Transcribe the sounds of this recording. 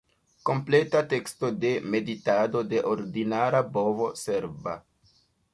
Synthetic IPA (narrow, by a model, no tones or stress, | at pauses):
ko̞mple̞tate̞ksto̞de̞me̞ditado̞de̞ʔoɾdinaɾabo̞vo̞se̞ɾba̰